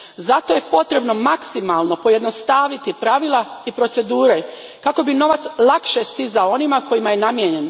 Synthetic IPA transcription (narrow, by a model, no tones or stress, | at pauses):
zat̪o̞je̞po̞t̪ɾe̞bno̞maksimalˠno̞po̞je̞d̪no̞st̪aːʋit̪ipɾaʋilˠaipɾo̞t̪se̞d̪uːɾe | kako̞bino̞ʋat̪slˠakʃest̪izaoo̞nimako̞jimajenamjeɲe̞n